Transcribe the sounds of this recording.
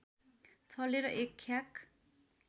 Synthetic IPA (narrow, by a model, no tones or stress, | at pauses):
t͡sʰʌleɾʌʔekʰːjak